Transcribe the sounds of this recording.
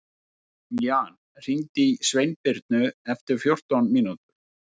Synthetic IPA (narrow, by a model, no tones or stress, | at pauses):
jaːn | r̥int̪isvejnpɪɾt̪nʏɛft̪ɪɾ̥fjowr̥t̪awnminut̪ʏ̥ɾ̥